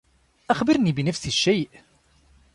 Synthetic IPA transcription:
ʔaxbəɾnibɪnæfsiʃːejʔ

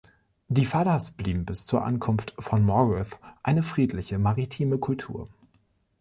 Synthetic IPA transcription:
d̥iːfadasb̥liːbm̩bɪst͡suːɐʔa̰nkʰʊnftfɔnmɔʁɪθʔaɪnəfʁ̥iːtʰlɪçəmaʁitʰiːməkʰʊltʰṵːɐ

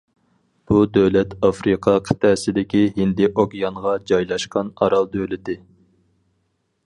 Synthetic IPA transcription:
b̥ud̪øwlɛt̪ɑfɾɨqʰɑqʰə̥t̪ʰɛːsɪd̪ɪkʲihɪnd̪ɪʔoɡʲjɑŋʁɑd͡ʒɑjlˠɑʃqɑnɑ̰ɾɑlˠd̪øwlɪt̪ɪ

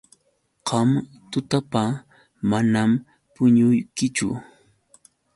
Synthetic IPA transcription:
qɑm | t̪ʊt̪apa | manam | pʊɲʊjkɪt͡ʃʊ̰

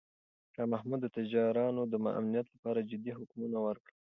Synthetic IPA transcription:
ʃɑmahmud̪ːət̪ɪd͡ʒɑɾɑnod̪əmaʔa̰mnijat̪lapɑɾad͡ʒɪd̪iɦʊkmunawəɾkɽə

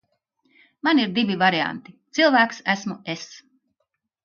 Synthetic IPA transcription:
maniɾd̪ivivaɾia̰nt̪it̪silˠvæːksæsmues

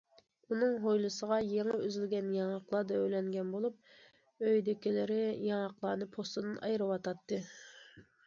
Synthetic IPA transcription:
unɨŋɦojlˠɨsəʁɑjeŋɪøzylɡʲɛnjɑŋɑqlˠɑːd̪ɑøjlɛŋɡʲɛnbolˠup̚ | øjd̪ɪkʲɪlɪɾɪjɑŋɑqlˠɑːnɨpʰost̪ɨd̪ɨnɑjɾɨwɑt̪ɑt̪ːɨ

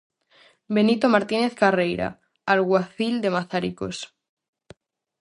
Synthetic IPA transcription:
benit̪omaɾt̪ineθkarejɾa̰ | alɣwaθild̪emaθaɾiko̰s

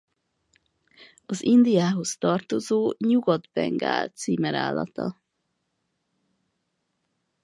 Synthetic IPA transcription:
ɒzind̪ijaːɦo̞st̪ɒrt̪o̞zoːɲuɡɒd̪bɛ̰ŋɡa̰ːlt̪siːmɛɾa̰ːlːɒ̰t̪ɒ

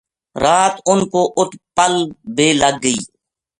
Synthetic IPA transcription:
ɾaːt̪ʊnkoːʔʊt̪pəlbeːləɡːəḭː

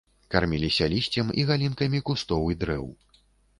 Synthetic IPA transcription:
karmʲilʲisʲɐlʲisʲt͡sʲɛmiɣalʲinkɐmʲikust̪ɔwid̪ɾɛw

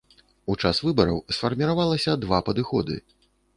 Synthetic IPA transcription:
ut͡ʂasvɨbɐɾɐwsfɐrmʲiɾavalˠɐsʲɐd̪vapɐd̪ɨxɔd̪ɨ̰

